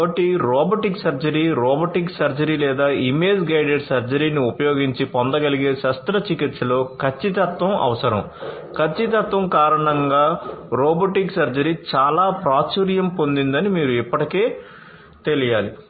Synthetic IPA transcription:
bɐʈiɾɔːboʈiksɐɾd͡ʒɐɾiːɾɔːboʈiksɐɾd͡ʒɐɾiːlɛːd̪aːime̞ːd͡ʒɡɐjɖeɾsɐɾd͡ʒɐɾiːniupɐjoːɡiɲt͡ʃipɔnd̪ɐɡɐliɡeːʃɐst̪ɾɐt͡ʃikit̪slo̞ːkʰɐt͡ʃːit̪̬ɐt̪ʋɐmʔɐ̰ʋɐsɐɾɐ̰m | kʰɐt͡ʃːit̪ɐt̪ʋɐmkaːɾɐɳɐŋɡaːɾɔːboːʈiksɐɾd͡ʒɐɾiːt͡ʃaːlaːpɾaːt͡ʃuːɾjɐmpond̪ind̪ɐnimiːɾuipːɐʈike̞ː | t̪e̞lijaːli

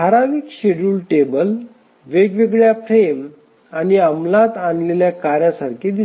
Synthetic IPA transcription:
aɾaʋiːkɕeɽuːlʈebəl | ʋeɡʋeɡɭjapɾem | aniəmlat̪anleljakaɾjasaɾkʰid̪i

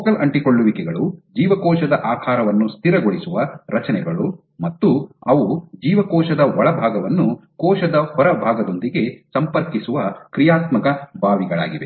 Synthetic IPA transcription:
ɔkɐlɐɳʈikoɭːuʋikɛɡɐɭud͡ʒiːʋɐkɔːʃɐd̪ɐʔaːkʰaːɾɐʋɐnːust̪ʰiɾɐɡoɭisuʋɐɾɐt͡ʃɐnɛɡɐɭu | mɐt̪ːuɐʋud͡ʒiːʋɐkɔːʃɐd̪ɐʋɔɭɐbʱaːɡɐʋɐnːukɔːʃɐd̪ɐhɔɾɐbʱaːɡɐd̪o̞nd̪iɡe̞sɐmpɐɾkisuʋɐkɾijaːt̪mɐkɐbʱaːʋiɡɐɭa̰ːɡiʋe̞

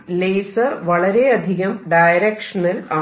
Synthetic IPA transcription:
leːsɐrʋɐɭɐɾeɐd̪ʱiɣɐmɖɐjɾekʂɐnɐla

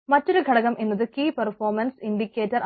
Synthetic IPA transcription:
mɐtːo̞ɾuɡʱɐɽɐɣɐmʔenːɐðɨkiːpɐrfoːrmɐnsinɖikʲːeːtːɐr

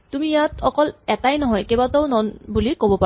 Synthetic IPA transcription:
t̪umijat̪ɔkɔlɛt̪ajnɔɦɔjkebat̪ɔʊnɔnbulikobɔpa

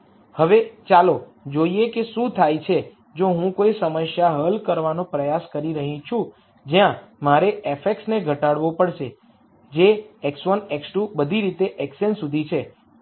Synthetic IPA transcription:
həʋet͡ʃalo | d͡ʒoiekeʃũt̪ʰajt͡ʃʰe | d͡ʒoɦũkoisəməsjaɦəlkəɾʋanõpɾəjaskəɾiɾəɦĩt͡ʃʰũ | d͡ʒjãmaɾeefekʈsneɡʱəʈaɽʋopəɽʃe | d͡ʒeeksʋənɛksʈubəd̪ʱiɾit̪eʔɛksensud̪ʱit͡ʃʰe

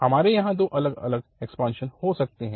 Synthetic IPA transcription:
hɐmaːɾejɐɦãd̪oːʔɐləɡɐ̰ləɡɛkspãːnʃənhosɐk̚t̪eɦɛ̃

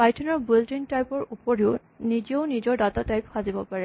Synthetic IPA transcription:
pajtʰɔnɔɹbildintajpɔɹupɔɹiʊ | nid͡ʒioʊnizɔɹdatatajpxazibɔpaɹɛ

